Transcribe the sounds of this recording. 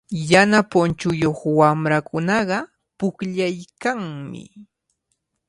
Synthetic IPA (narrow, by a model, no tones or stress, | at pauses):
janapʊnt͡ʃʊjoχwamɾakʊnɑɢɑ | pʊkʎajkaŋmɪ̰